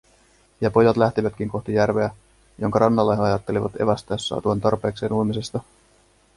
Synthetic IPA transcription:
jɑpo̞jɑt̪læht̪iʋæt̪k̟iŋko̞ht̪ijærʋe̞æ | jo̞ŋkɑɾɑnːɑlːeɑjɑt̪ːe̞liʋɑ̰t̪e̞̰ʋæst̪æsːɑ̰ːt̪uɑnt̪ɑrpe̞ːkse̞ːnuimisest̪ɑ

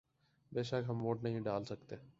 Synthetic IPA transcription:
beːʃəkɦɐmʋoːʈnɐɦĩɖaːlsɐkt̪eː

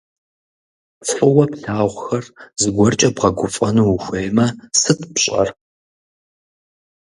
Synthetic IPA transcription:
t͡sħɨwɐpɬaːʁʷxɐrzɨɡʷɔrt͡ʃʼɐbʁɐɡʷʊfʼɐnuwxʷeːjmɐsɨtʰpɕʼɐ̰r

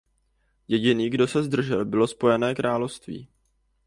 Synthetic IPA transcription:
jɛɟɪniːɡdo̞sɛzd̪r̩ʒɛlbɪlo̞spo̞jɛnɛːkɾʔaːlofst̪vḭː

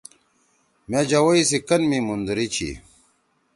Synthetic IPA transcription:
med͡ʑɐwɐisikɐnmimund̪uɾit͡ɕʰḭ

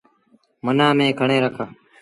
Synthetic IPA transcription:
mənãːmẽːkʰəɳeːɾəkʰaː

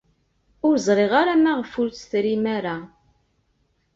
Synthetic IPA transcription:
ʊɾzˤɾˤeʁaɾamaʁfʊɾt͡sθɾimæɾa

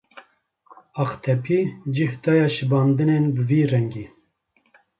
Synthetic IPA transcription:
ɑqt̪ʰɛpʰiːd͡ʒɨhd̪ɑːjɑːʃɨbɑːnd̪ɨnenbɨviːrɛŋɡiː

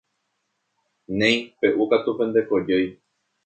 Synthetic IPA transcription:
nẽj̃pe̞ʔukat̪upẽ̞nd̪e̞ko̞d͡ʒej

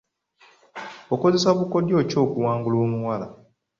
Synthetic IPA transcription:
oko̞ze̞saβuko̞djo̞ːco̞ːkuwaːŋɡulo̞ːmuwala

